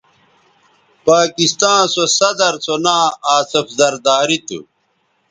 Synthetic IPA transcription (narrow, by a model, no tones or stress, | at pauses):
paːkist̪ãːsosɐd̪ɐɾsonaːaːsɐfzɐɾd̪aːɾit̪ṵ